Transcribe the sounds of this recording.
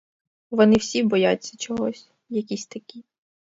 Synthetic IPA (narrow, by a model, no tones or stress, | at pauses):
ʋɔnɪwsʲibɔjat͡sʲːɐt͡ʃɔɦɔsʲ | jɐkʲisʲt̪ɐkʲi